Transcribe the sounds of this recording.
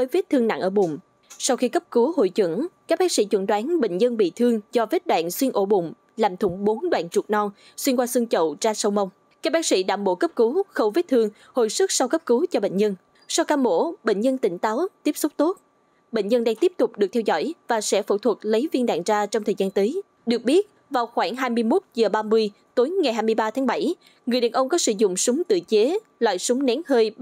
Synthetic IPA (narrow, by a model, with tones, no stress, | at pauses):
vəː˨˦jvi˦˥t̚t̪ʰɨ˧əŋna̰˧˩ŋʔəː˧˩ɓʊ̰˨˩ŋ͡m | sa˧wxi˧kə˦˥p̚ku˨˦ɦo̰˧˨jt͡ɕwə̰˧˩˥ŋkaː˦˥k̚ɓaː˨˦k̚sḭ˧˥t͡ɕwə̰˧˩ŋɗwaː˨˦nɓḛ˧˨ŋ̟ɲə˧nɓḭ˧˨t̪ʰɨ˧əŋzɔ˧ve˦˥t̚ɗwa̰ː˧˨nswi˧nʔo˧˩ɓʊ̰˧˨ŋ͡m | laː˨˩mt̪ʰʊ˧˩ŋ͡mɓo˨˦nɗwa̰ː˧˨nt͡ɕu˨˩t̚nɔ˧ŋ | swi˧nkwaː˧sɨ˧ŋt͡ɕə̰˧˨wt͡ɕaː˧sə˧wmə˧wŋ͡m | ka˦˥k̚ɓaː˦˥sḭ˧˥ɗaː˧˨˩mɓo̰˧˥kə˦˥p̚ku˨˦xə˧wve˦˥t̚t̪ʰɨ˧əŋ | ho̰˧˨jsɨ˦˥k̚sa˧wkə˦˥p̚kɨ˨˦t͡ɕɔ˧ɓḛ˧˨ŋ̟ɲə˧n | sa˧wkaː˧mmo̰˧˥ɓḛ˧˨ŋ̟ɲə˧nt̪ï˧˩ŋ̟t̪aː˨˦wt̪i˦˥əp̚sʊ˦˥k͡p̚t̪o˦˥t̚ | ɓḛ˧˨ŋ̟ɲə˧nɗaː˧ŋt̪i˦˥əp̚t̪ʊ˨˩k͡p̚ɗɨ˨˩k̚t̪ʰɛ˧wzɔ̰˧˩jvaː˨˩sɛ̰˧˥fṵ˧˩t̪ʰwə˨˩k̚lə˨˦jvi˧ənɗa̰ː˧˨ŋzaː˧t͡ɕɔ˧ŋ͡mt̪ʰəː˨˩jzaː˧nt̪əː˨˦j | ɗɨ˨˩ək̚ɓi˦˥ət̚ | vaː˨˩wxwaː˧˩ŋɦaː˧jmɨ˧əjmo˦˥t̚zəː˨˩ɓaː˧mɨ˧əj | t̪o˨˦jŋa˨˩jɦaː˧jmɨ˧əjɓaː˧t̪ʰaː˨˦ŋɓa˧˩j | ŋɨ˨˩əjɗaː˨˩nʔə˧wŋ͡mkɔ˨˦sɨ̰˧˩zʊ̰˧˨ŋ͡msʊ˨˦ŋ͡mt̪ɨ̰˧˨t͡ɕe˨˦ | lwa̰ː˧˨jsʊ˨˦ŋ͡mnɛ˨˦nhəː˧j